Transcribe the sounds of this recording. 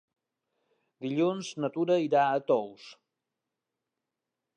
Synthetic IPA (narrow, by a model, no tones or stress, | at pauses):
d̪iʎunznət̪uɾəiɾaət̪ows